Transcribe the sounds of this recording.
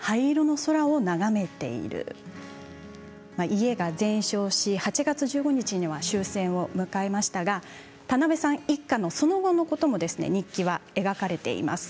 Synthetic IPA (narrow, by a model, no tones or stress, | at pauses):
haiɾono̞so̞ɾao̞naɡame̞t̪e̞̰ḭɾɯ̟̰ | maʔie̞ɡazẽ̞ɰ̃ɕo̞ːɕihat͡ɕiɡat͡sɨʑɨːɡo̞ɲ̟it͡ɕiɲiβaɕɨːsẽ̞ɰ̃o̞mɯ̟kae̞maɕi̥t̪aɡa | t̪anabe̞sãɰ̃ikːano̞so̞no̞ɡo̞no̞ko̞t̪o̞mo̞d̪e̞sɨne̞̰ɲ̟ikʲːiβ̞ae̞ɡakaɾe̞t̪e̞̰ḭma̰sɨ̥